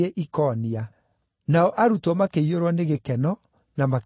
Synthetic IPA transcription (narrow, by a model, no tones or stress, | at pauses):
eʔikɔːnia | naɔʔaɾutwɔmakeioɾwɔneɣekɛnɔ | nama